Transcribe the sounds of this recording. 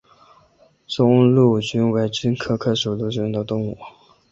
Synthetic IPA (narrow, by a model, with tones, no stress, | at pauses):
t͡sʊ˥ŋlu˥˩t͡ɕy˥nwe˧˥ɪt͡ɕy˥nkʰɤ˥kʰɤ˥˩ʂu˨˩lu˥˩t͡ɕy˥nd̪ə˧t̪ʊ˥˧ŋu˨˩